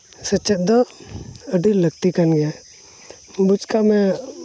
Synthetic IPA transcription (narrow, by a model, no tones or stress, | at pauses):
sət͡ʃət̪̚d̪ɔ | əɖilək̚t̪ikənɡɛ | but͡ʃkamɛ̃